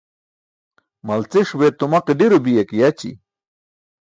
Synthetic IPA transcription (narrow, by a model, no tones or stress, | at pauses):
mɐlt͡siʂwet̪umaqiɖiɾubijekijɐt͡ɕḭ